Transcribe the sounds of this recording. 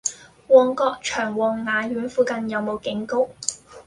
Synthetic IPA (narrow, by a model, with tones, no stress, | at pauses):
wɔː˨˩ŋkɔː˧k̚t͡ʃʰœː˨˩ŋwɔː˨˩ŋːaː˨˧jyː˨˥nfuː˧kɐ˧njɐ˨˧wmo˨˧wkɪ˨˥ŋko˥w